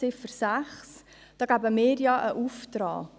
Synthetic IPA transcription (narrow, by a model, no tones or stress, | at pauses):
ɪfəɾsæχs | d̥ɑːɡ̥æbəmɪːɾjɑʔəʔuft̪ɾɑ̰ː